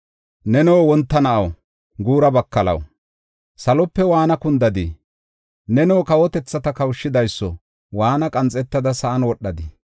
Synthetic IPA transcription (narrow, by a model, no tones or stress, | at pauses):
nɛnɛwːwɔnt̪ːɐnɐʔɐw | ɡuːɾɐbɐkːɐlɐ̰w | sɐlɔpːɛwaːnɐkʊnd̪ɐd̪ɪ | nɛnɔwːkɐwɔt̪ɛt͡sːɐt̪ɐkɐwʃːɪd̪ɐjsːɔ̰ | waːnɐkʼɐnt͡sʼɛt̪ːɐd̪ɐsɐʔɐnwɔɗːɐd̪ɪ